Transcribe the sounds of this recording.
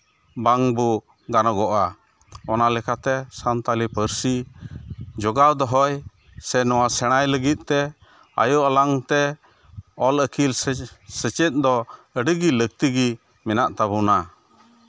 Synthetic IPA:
baŋbu | ɡanɔɡɔʔa | ɔnalɛkat̪ɛsant̪alipəɾsi | d͡ʒɔɡawd̪ɔɦɔj | sɛnɔwasɛɽ̃ajləɡit̪̚ˀt̪ɛ | a̰jɔʔalaŋt̪ɛ | ɔləkʰilsət͡ʃɛt̪̚ˀd̪ɔəɖəɡilək̚t̪iɡi | mɛnaʔt̪abuna

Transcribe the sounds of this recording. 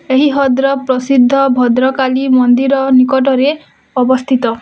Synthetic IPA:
eɦiɦɔd̪ɾɔpɾɔsid̪ʱːɔbʱɔd̪ɾɔkalimɔnd̪iɾɔnikɔʈɔɾe | ɔbɔst̪ʰit̪ɔ

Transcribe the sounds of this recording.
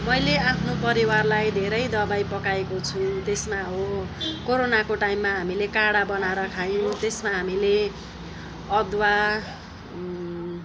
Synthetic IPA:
mʌjleapʰnopʌɾiwarlajd̪ʱeɾʌjd̪ʌbajpʌkaekot͡sʰut̪esmaɦokoɾonakoʈaimːaɦamilekaɽabʌnaɾʌkʰajõt̪esmaɦamile | ʌd̪wa

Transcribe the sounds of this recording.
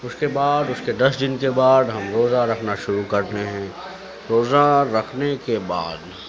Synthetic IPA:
ʊskebaːd̪ʊsked̪ɐsd̪ɪnkebaːd̪ɦɐmɾoːzaɾɐkʰnaʃʊɾukɐɾt̪eɦɛ̃ː | ɾoːzaɾɐkʰnekeba̰ːd̪

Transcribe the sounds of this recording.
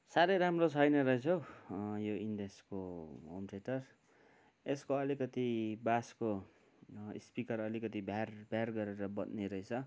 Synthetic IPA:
saɾʌjɾamrot͡sʰʌjnʌɾʌɦet͡sʰʌwjoindeskoɦo̰mʈeʈʌr | eskoʌlikʌt̪ibasko̰ | spikʌrʌlikʌt̪ibʱarbʱjarɡʌɾeɾʌbʌd̪neɾʌɦet͡sʰʌ

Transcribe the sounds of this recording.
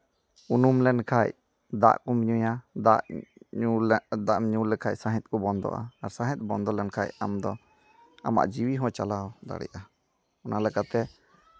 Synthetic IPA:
unumlɛnkʰaj | d̪a̰ʔkɔmiɲujaaʔ | d̪aʔmɲulɛkʰaʔsaɦɛ̃t̪̚ˀkɔbɔnd̪ɔ̰ʔa̰ːɾsãɦɛ̃t̪̚ˀbɔnd̪ɔlɛnkʰaja̰md̪ɔ | a̰ma̰ʔd͡ʒiwiɦɔ̃t͡ʃalawd̪a̰ɽɛ̰ʔa | ɔnalɛkat̪ɛ

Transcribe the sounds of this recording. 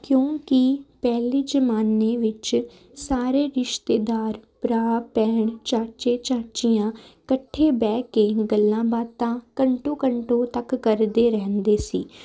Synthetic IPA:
kjõːkɪpɛːliːd͡ʒəmaːneːʋɪt͡ʃ | saːɾeːɾɪʃt̪eːd̪aːɾpɾaːpɛːɳt͡ʃaːt͡ʃeːt͡ʃaːt͡ʃijãːkəʈʰːeːbɛːkeːɡəlːãːbaːt̪ãːkəɳʈõːkəɳʈõːt̪əkːəɾd̪eːɾɛ̃ːnd̪eːsḭː

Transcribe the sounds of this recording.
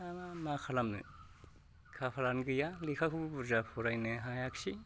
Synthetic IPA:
amamakʰalamnɯ̰ | kʰapʰalanɡɯjalikʰakʰɯbɯbuɾzapʰɔɾajnɯɦajaksi

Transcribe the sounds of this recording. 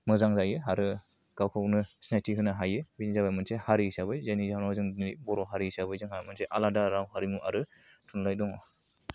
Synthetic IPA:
mɯzaŋzajɯɦaɾɯ | ɡ̥awkʰawnɯsnajtʰiɦʰɯnaɦajɯbinizabajmɯnsehaɾiisabɯjzajnizanɔzɯŋibɔɾɔɦaɾisabɯjzɯŋhajmɯnseʔaladaɾawɦaɾimuʔaɾɯ | tʰunlajdɔŋɔ

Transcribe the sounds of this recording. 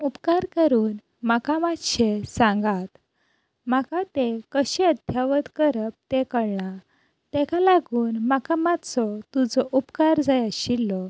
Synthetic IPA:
upkaɾkəɾuːn | makamat̪ɕesãŋɡat̪ | makat̪ekəɕeəd̪ʱjaʋət̪kəɾəp̚t̪ekəɽɳa | t̪ɛkalaɡuːnmakamat̪t͡sɔt̪ud͡zɔʔupkaɾd͡zajaɕilːɔ

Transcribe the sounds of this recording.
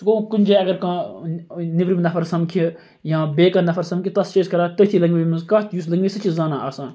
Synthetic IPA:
t̪kokunʲd͡ʒeɐɡɐɾkãː | niʋɾimnd̪ɐfʰɐɾsɐmkʰi | jãːbeːkɐnd̪ɐfʰɐɾsɐmkʰʲit̪ɐst͡ʃeːskɐɾaːt̪ɐt̪ʰilɐŋɡʋimɐnzkaːt̪juːslɐŋɡʋisɐt͡ʃizzaːnãːaːsãːn

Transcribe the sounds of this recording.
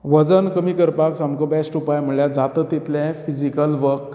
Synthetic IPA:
ʋəd͡zənkəmiːkəɾpaksamkobɛsʈupajm̤əɭɭjad͡zat̪ət̪ːit̪lɛ̃fid͡ʑikəlʋəɾk

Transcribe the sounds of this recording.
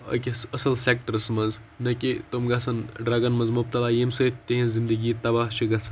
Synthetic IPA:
ɐ̰kʲisɐsɐlsek̚ʈɐɾsmɐznɐkʲit̪omɡɐsɐnɖɾɐɡɐnmɐzmup̚t̪ɐlaːjemsɐt̪ʲt̪eɦĩzind̪əɡiːt̪ɐbaːɦt͡ʃʰiɡɐsɐ̥n

